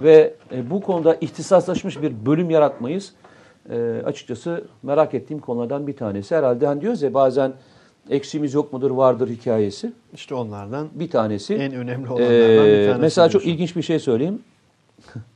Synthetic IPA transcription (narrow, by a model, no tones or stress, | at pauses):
vɛbukʰo̞nud̪aʔiçt̪ʰisaslˠaʃmɯʃbiɾbø̞lʲymjaɾat̪majɯz̥ | ɛːa̰t͡ʃʰɯ̥k̚t͡ʃʰasɯmeɾakɛt̪ʰːiːmkʰolˠaɾd̪anbit̪ʰaːne̞sihɛɾalʲd̪ɛɦænd̪ijozɛbaːzæn | ɛcsimizjo̞k̚mud̪ɯɾvaɾd̪ɯɾhicʰaːje̞si | iʃt̪ɛonlˠaɾd̪anbit̪ʰaːne̞siɛnønɛmlʲi | mɛselʲaːt͡ʃʰo̞kilʲɟint͡ʃbiɾʃe̞jsø̞jlʲejim